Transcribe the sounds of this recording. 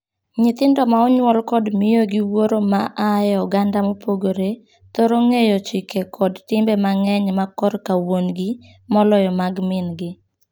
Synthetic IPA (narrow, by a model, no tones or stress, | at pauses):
ɲɪt̪ɪndɔmaɔɲwɔlkɔdmɪjoɡiwoɾomaʔajɔɡandamopʰoɡoɾe | t̪oɾoŋejot͡ʃɪkekʰɔdtɪmbɛmaŋɛɲmakɔɾkawonɡi | mɔlɔjɔmaɡmɪnɡɪ